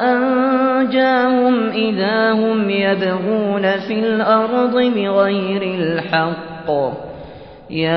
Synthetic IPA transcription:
ʔand͡ʒaːhʊmʔɪðaːhʊmjad̪aɣuːnafɪlʔɑɾˤd̪ˤɨbɪɣajɾɪlħɑqː | jaː

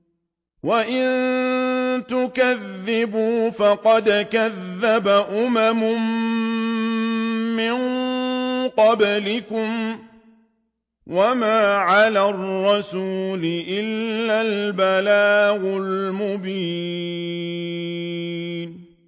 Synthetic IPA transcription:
waʔɪn | t̪ʊkaðːɪbuːfɑqɑd̪kaðːabaʔʊmamʊm | ɪn | qɑblɪkʊm | wamaːʕalarˤːɑsuːlɪʔɪlːalbalaːɣʊlmʊbiː | n

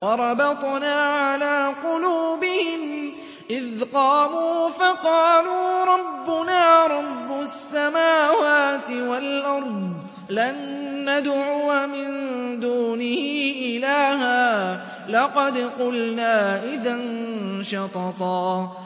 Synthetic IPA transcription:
wɑɾˤɑbɑt̪ˤnaːʕalaːqʊluːbɪhɪm | ʔɪðqɑːmuːfɑqɑːluːɾˤɑbːʊnaːɾˤɑbːʊsːamaːwaːt̪ɪwalʔɑɾˤdˤ | lanːad̪ʕuːmɪnd̪uːnɪhiːʔɪlaːɦaː | lɑqɑd̪qʊlnaːʔɪðanʃɑt̪ɑt̪ˤɑː

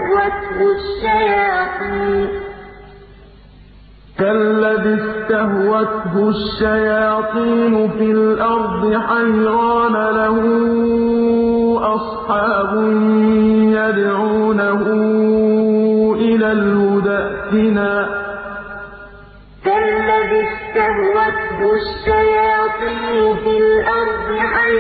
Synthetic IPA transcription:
wat̪hʊʃːajɑːt̪ˤiːn | kalːaðɪst̪aɦwat̪ɦʊʃːajɑaːt̪ˤiːnʊfɪlʔɑɾˤd̪ˤɨħajɾaɑːnalahʊ | ʔɑsˤħɑːbʊnjad̪ʕuːnaɦʊ | ʔɪlaːlmʊd̪aʔt̪ɪnaː | kalːaðɪst̪ahwat̪hʊʃːajɑːt̪ˤiːnʊfɪlʔɑɾˤd̪ˤɨħa

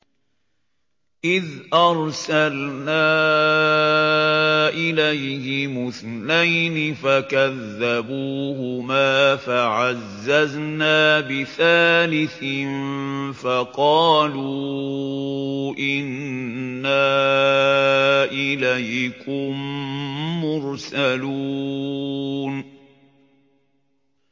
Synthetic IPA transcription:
ʔɪðʔɑɾˤsalnaː | ʔɪlajhɪmʊθnajnɪfakaðːabuːhʊmaːfaʕazːaznaːbɪθaːlɪθɪnfɑqɑːluː | ʔɪnː | aː | ʔɪlajkʊmː | ʊɾsalu | n

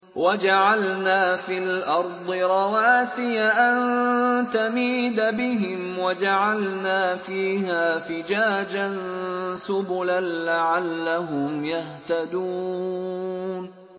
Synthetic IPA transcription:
wad͡ʒaʕalnaːfiːlʔɑɾˤd̪ˤɨɾˤɑwaːsɪjaʔant̪amiːd̪abɪɦɪmwad͡ʒaʕalnaːfiːhaːfɪd͡ʒaːd͡ʒansʊbʊlanlaʕalːaɦʊmjaht̪ad̪uː | n

